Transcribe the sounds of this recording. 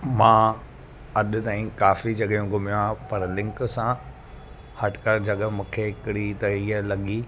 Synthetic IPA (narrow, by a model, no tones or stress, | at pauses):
mãː | ɐɗ̆t̪aːĩkaːfid͡ʑɐɠjũɡʱʊmɪjaːpɐɾlɪ̃ŋksã | hɐʈkəɾd͡ʑɐɠə̆mũːkʰeɪkɪɽit̪ɐiːəlɐɠiː